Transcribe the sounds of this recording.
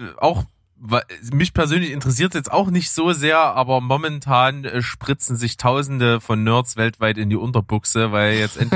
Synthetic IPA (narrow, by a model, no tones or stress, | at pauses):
ʔa̰ʊx | vamɪçpʰɛɐzøːnlɪçɪntəʁɛs̬iːɐtsjɛt͡staʊxnɪçtz̥oːzeːɐʔaːbɐmɔmɛntʰaːnʃpʁ̥ɪt͡sn̩zɪçtʰaʊzn̩dəfɔnːœɐtt͡svɛltv̥aɪtɪndiːʔʊntɐbʊksəvaɪljɛt͡stʔɛn